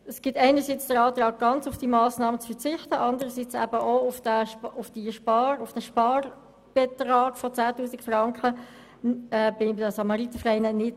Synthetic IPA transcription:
əsɡ̥ɪtæɪnəsiːt͡sd̥əɾɑːt̪rɑːɡ̚ɡ̥ɑnt͡sʊfd̥imɑːsnɑːmət͡sfəʁt͡sɪχt̪əʔɑndəɾəsit͡sæ̰b̥əʔoʊfd̥æʊfd̥iʃpɑɾʊfd̥æʃpɑːr | b̥ɛt̪rɑːɡ̥fɔt͡sæːtuːsikfrɑŋkχə | ɛːb̥ɪd̥əsɑmɑʁit̪əfʁɛɪnənɪt

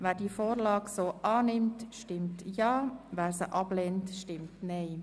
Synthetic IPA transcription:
ʋæːɾdiəfoːɾlɑːksoːʔɑːnɪmtʃtɪmtjɑːvæːɾsəʔɑb̥lɛntʃtɪmtnɛɪ

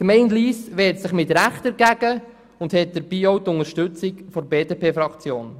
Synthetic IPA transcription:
kmɛɪndliːsʋɛːtsɪχmɪtɾæχtɛɾɡæɡə | ʊndhɛt̚d̥̪əɾbiːowtʊŋəɾʃtʉt͡sikfɔɾbeːdeːpeːfɾɑkt͡sjoːn

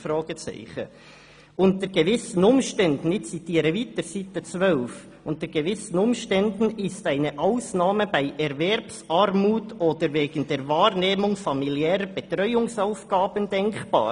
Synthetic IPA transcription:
fɾɑːɡ̥ət͡sæ̰ɪχə̰ | ʊnt̪əɾɡ̥ɛvɪsən̩ʊmʃtɛnd̪ən̩ɪt͡sitiːɾəviːt̪əɾsit̪ːət͡sʋœlf | ʊntəɾɡ̥evɪsən̩ʊmʃtɛnd̪n̩ɪstæɪnəʔaʊsnɑːməbæɪʔɛɾvɛɾpsɑɾmuːtʰod̥̪əɾveːɡ̥ən̩d̥ɛːɾvɑːɾneːmʊŋfɑmiljɛːɾəb̥ɛt̪ɾœʏʊŋsaʊfɡ̥ɑːb̥ənd̥ɛŋkb̥ɑ̰ː

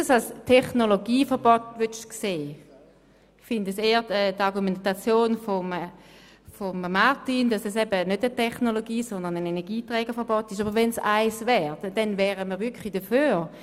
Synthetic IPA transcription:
salstʰɛχnoloɡiːfəʁbɔtvyʃkseː | fɪndəseːəɛːtaʁɡumentat͡sjoːnfom | fommaʁtindɑsɛsɛbənødətʰɛχnoloɡiːsɔnd̪əʁnənenɛɐɡiːtʁɛːɡ̥əfəʁbɔtiʃ̬abəʁʋɛnsa̰ɪsvɛːʁdd̥ɛnvɛːʁəmiːʁʋʏkχlidəføːʁ

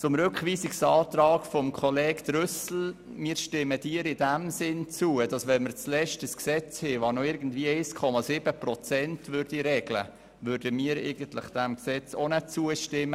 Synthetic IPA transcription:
t͡sʊmɾʏkχʋiːsiksɑːt̪ɾɑːkfɔmkʰχɔlɛːkd̥̪ɾʏsl̩ | miːɾʃtɪməd̥iːəɾɪdæmsɪnt͡suəd̥ɑsʋɛnməɾt͡slɛʃtəsksɛt͡sheʋɑːɾnɔɪɾɡən̩dviəɛɪskʰɔmɑzɪbəprɔt͡sɛntvʏɾd̥iɾɛɡ̥lə̰ | ʋøɾdəmiːəɾɛ̰ɪɡən̩t̪lɪ̰χd̥æmksɛt͡sonɛt͡suəʃtɪmːə

